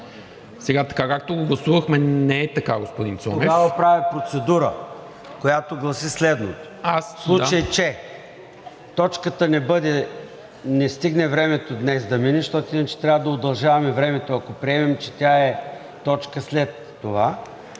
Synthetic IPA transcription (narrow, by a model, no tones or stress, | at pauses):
sɛɡat̪ɐ̥kakak̚t̪oɡoɡlˠɐsuvɐxmɛnɛːt̪ɐkaɡospod̪insɔomɛɡavɐpɾavipɾot̪sɛd̪uɾə | kojat̪oɡlˠɐsislɛd̪not̪o̥asslˠuat͡ʃəjt͡ʃɛ | t̪ɔt͡ʃkət̪ənɛbɤd̪ɛ | nɛst̪iɡnɛvɾɛmɛt̪od̪nɛsd̪ɐminɛʃt̪ɔt̪oinət͡ʃɛ̥t̪ɾʲavəd̪ɐod̪ɐlˠʒavɐmɛvɾɛmɛt̪oɐkopɾiɛmɛmt͡ʃɛt̪ʲaɛ | t̪ɔt͡ʃkəslɛt̪ːova